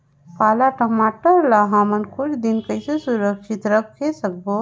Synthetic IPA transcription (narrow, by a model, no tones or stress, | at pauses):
palaʈəmaʈəɾlaɦamənkuʈd̪inkəjsesuɾəkʃit̪ɾəkʰːesək̚bo